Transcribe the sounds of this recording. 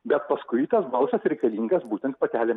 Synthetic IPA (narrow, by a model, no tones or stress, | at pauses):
bʲɛt̪pɐskʊɪit̪ɐsbɐlˠsɐsɾʲɛɪkɐlʲiːŋɡɐsbuːt̪ʲɛnt̪pɐt̪ʲæːlʲɛ